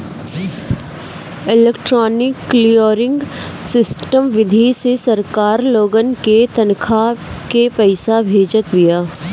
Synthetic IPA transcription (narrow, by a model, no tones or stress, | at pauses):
ɪleːkʈɾɔːnɪkːlijoɾɪ̃ŋɡsɪsʈəmʋɪd̪ʱisesɐɾkaːɾloːɡənket̪ɐnkʰakepɛɪsabʱeːd͡ʒət̪bijaː